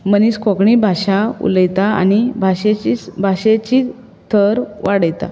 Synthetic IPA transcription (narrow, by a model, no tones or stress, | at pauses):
məniskokɳibʱaɕaṵləjt̪aa̰nibʱaɕeibʱaɕet͡ɕi | t̪ʰəɾʋaɽəjt̪a̰